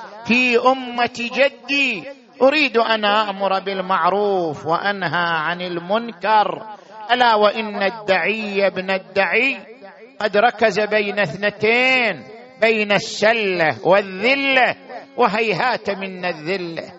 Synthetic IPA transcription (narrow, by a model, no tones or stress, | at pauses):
fiːʔʊmːat̪d͡ʒad̪ːi | ʔʊɾiːd̪ʔanʔaʔmʊɾˤbɪlmaʕɾuːfwɪʔanɦaʕanɪlmʊnkɑɾˤʔalawaʔɪnːad̪ːaʕɪjabnad̪ːaʕi | qɑd̪ɾˤɑkazabeːnaθnɪt̪eːn | beːnasːalːawɪðːɪlːawʔɪɦajɦaːt̪mɪnːaðːɪlːa̰